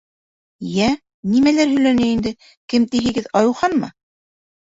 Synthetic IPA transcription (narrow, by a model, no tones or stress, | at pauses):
jæ | nimælæɾɦɵ̆jlænæind̪ɘ | kɘmt̪iɦɘ̆ɡɘðɑjuwχɑnmɑ̰